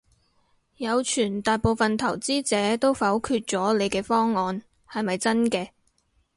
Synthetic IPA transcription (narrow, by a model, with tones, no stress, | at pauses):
jɐ˨˧wt͡ʃʰyː˨˩nt̪aː˨jpo˨˧wfɐ˨nt̪ʰɐ˨˩wt͡siː˥t͡sɛː˨˥t̪o˥wfɐ˨˥wkʰyː˧t̚t͡sɔː˨˥le˨˧jkɛː˧fɔː˥ŋːɔː˨n | hɐ˨jmɐ˨jt͡sɐ˥nkɛː˧